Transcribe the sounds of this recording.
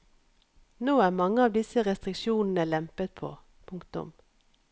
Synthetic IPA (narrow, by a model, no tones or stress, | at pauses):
noːæːmɑŋəɑːʋd̪ɪsəʁɛst̪ʁɪkʃuːnn̩əlɛmpət̪̚pʰo̰ː | pʰʊŋkt̪ʊ̰m